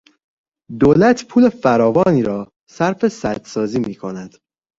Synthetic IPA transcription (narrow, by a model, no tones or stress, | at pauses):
d̪oːlæt̪ʰpʰuːlefæɾɒːvɒːniːɾɒː | sæɾfesæd̪̥sɒːziːmiːkʰo̞næd̪̥